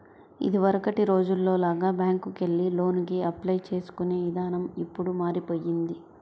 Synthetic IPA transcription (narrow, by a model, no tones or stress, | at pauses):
ḭd̪iʋɐɾɐkɐʈiɾo̞ːd͡ʒulːo̞ːlaːɡaːbjaːŋkukeɭːilo̞ːnk̬iɐplɐjt͡ʃe̞ːsu̥kune̞ːʋid̪aːnɐmipːuɽumaːɾipo̞ːjːind̪i